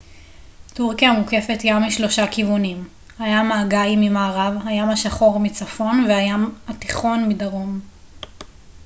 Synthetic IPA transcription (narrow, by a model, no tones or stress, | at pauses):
tuʁkijamuke̞fe̞tjamiʃlo̞ʃakivunim | hajamaːɡajmimaːʁavɦajamaʃaχo̞ʁmit͡safo̞nveajamhatiχo̞nmidaʁo̞m